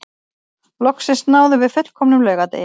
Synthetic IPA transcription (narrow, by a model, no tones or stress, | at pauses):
lɔksɪst̪naːwðʏvɪðfʏt̪l̥kʰɔmnʏmlœːɥɣat̪ḛj